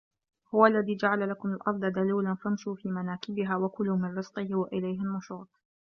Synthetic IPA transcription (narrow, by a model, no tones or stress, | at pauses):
hʊwalːaðiːd͡ʒaʕalalakʊmalʔɑɾˤd̪ˤɑd̪aliːlanfamʃuːfiːmanaːkɪbɪɦaːwakʊlʊmɪnɾɨsqɪhwaʔɪlajɦɪlmʊʃuːt̪̚ˤ